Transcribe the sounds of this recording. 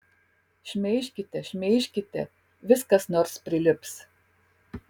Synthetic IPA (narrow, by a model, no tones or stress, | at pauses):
ʃʲmʲɛɪʃʲkʲɪt̪ʲɛʃʲmʲɛɪʃʲkʲɪt̪ʲɛ̰ | ʋʲɪskɐsnoːɾspʲɾʲɪlʲɪps